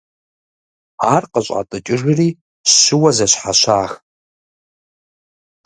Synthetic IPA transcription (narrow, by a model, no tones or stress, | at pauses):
arqəɕʷʼa̰tʼɨt͡ʃʼɪʐɪriː | ɕːɪwɐzɐɕʷħaʃʷaːx